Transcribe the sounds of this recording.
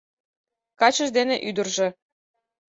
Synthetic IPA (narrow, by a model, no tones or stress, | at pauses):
kɑt͡ɕɤ̆ʒd̪eneʔyd̪ə̆rʒĕ